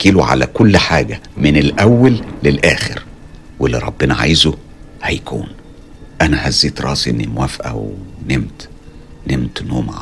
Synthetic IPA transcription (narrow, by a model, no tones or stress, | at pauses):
kiːluʕa̰læ̰kolːħaːɡæmɪnelʔæwːælːelʔæːxḛɾ | welːiɾˤɑbːenæʕa̰ːjzu | hæjkṵːn | ʔænæhæzːeːt̪ɾˤɑːsiʔenːimwæfʔæ̰wnemt̪nemt̪nuːma̰